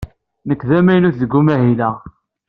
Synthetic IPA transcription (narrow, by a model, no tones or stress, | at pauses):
nəkːðæmæjnuθðəɡːumæɦilæ